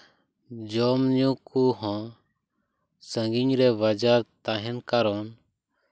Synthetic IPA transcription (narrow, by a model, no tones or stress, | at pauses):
d͡ʒɔmɲũkuɦɔ̃ | sə̃ŋɡiɲɾɛβad͡ʒaɾt̪aɦɛnkaɾɔːn